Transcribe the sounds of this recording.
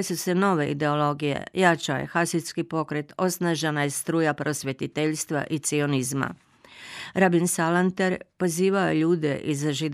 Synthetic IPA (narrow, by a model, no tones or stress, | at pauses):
esuse̞no̞ʋe̞ḭd̪e̞o̞lo̞ɡije̞̰jat͡ʃaje̞̰xasiskipo̞kɾe̞t̪o̞snaʒenajest̪ɾuːjapɾo̞sʋje̞t̪it̪eʎst̪ʋa̰ʔit̪sio̞nizma̰ | ɾabinsalant̪eɾpo̞ziːʋaojeʎuːd̪e̞ʔizaʒid̪